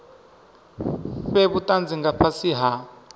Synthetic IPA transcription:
ɸɛβutʼand͡ziŋɡapʰasiɦa

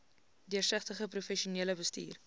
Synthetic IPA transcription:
diərsəχtəχəprufɛʃuniələbəstḭːr

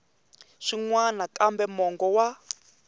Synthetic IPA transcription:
ʂiŋwanakʼambɛmɔŋɡɔwa

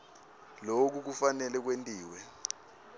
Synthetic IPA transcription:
lok̬uk̬ufanɛlɛk̬wentʼiːwɛ

